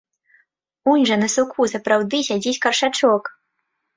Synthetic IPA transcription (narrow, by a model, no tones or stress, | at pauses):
unʲʐɐnɐsukʰusɐpɾawd̪ɨsʲad͡zʲit͡sʲkɐrʂat͡ʂɔk